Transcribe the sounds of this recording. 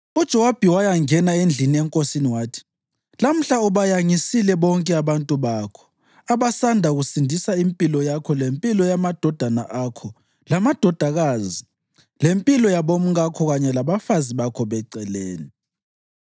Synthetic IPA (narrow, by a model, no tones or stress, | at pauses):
ud̥ʒ̥ʱɛwab̥ʱiwajaŋɛnaend͡ɮʱiniɛŋkʼosiniwaːtʰi̥ | lam̩ɬauβajaŋisilɛβɔŋkʼɛaβantʼuβakʰɔ̥ | aβasandʱaɣusindʱisaimpʼilɔjakʰɔlempʼilɔjamad̥ʱɔd̥ʱana̰ʔakʰɔ | lamad̥ʱɔd̥ʱaɣazi | lempʼilɔjaβom̩ɣakʰɔɣaɲɛlaβafaziβakʰɔβɛǀɛleːni